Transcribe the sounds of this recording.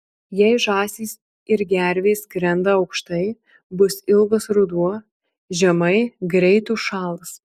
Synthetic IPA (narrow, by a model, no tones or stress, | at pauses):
jɛɪʒɑːsʲiːs | ɪɾɡʲæɾʲʋʲeːsɡɾʲɛnd̪ɐɒʊkʃt̪ɐɪ | bʊsɪlˠɡɐsɾʊd̪uɔ | ʒʲɛmɐɪɡɾʲɛɪt̪uːʃɑːlˠɐs